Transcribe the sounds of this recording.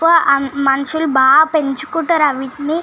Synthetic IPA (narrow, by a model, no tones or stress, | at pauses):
ɐʔɐmɐnɐʂulbʱaːpeɲt͡ʃukːuʈːɐɾɐʋiʈni